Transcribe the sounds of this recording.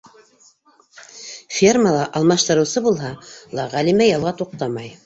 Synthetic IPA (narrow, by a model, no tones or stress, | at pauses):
fʲerməlˠɑʔɑlˠmɑʃt̪ɤ̆ɾɤ̆wsɤbulˠɦɑlˠɑʁælimæjɑlˠʁɑt̪uq̚t̪ɑmɑj